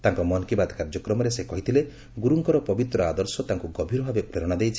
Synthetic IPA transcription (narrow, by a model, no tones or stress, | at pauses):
t̪aŋkɔmɔnkibad̪ʱkaɾd͡ʒɔkɾɔmɔɾesekɔɦit̪ʰile | ɡuɾuŋkɔɾɔpɔbit̪ɾɔad̪ɔɾsɔt̪aŋkuɡɔbʱiɾɔbʱabepɾeɾɔɽ̃ad̪ejt͡ʃʰi̥